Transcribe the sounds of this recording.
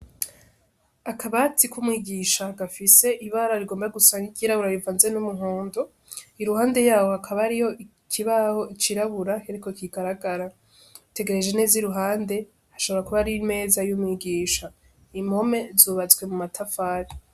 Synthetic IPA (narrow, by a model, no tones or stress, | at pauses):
akʰaβatikwumŋiːɡiːʃaɡafise̞ʔiβaːɾaɾiɡo̞ːmbaaɡusaːŋɡiɡiɾaβuɾaɾivanzenumuɦoːndo | iɾuhaːnde̞jaːhohakʰaβaɾijo̞ʔi | kʰiβaho̞it͡ʃiɾaβuɾaheɾiko̞kiɡaɾaɡaɾa | te̞ɡe̞ɾe̞d͡ʒe̞neːziɾuɦaːnde̞ | haʃoβoɾakuβaɾime̞ːzajumŋiːɡiːʃa | imho̞me̞zuːβat͡swe̞mumatʰafaːɾi